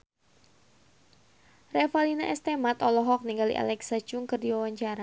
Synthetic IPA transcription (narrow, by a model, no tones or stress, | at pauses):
rɛfalinaʔɛst̪ɛmat̪ɔlɔɦɔk̚niŋɡalḭʔa̰lɛksḁd͡ʒʊŋkɨrdiwawaɲt͡ʃaɾa